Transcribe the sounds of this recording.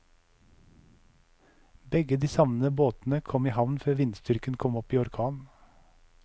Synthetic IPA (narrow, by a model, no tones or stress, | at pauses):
bɛɡəd̪iːsɑʋnəboːt̪n̩əkʰɔmiːhɑʋnføːʋɪnst̪ʏɾkənkʰɔmɔpiːɔɾkʰɑːn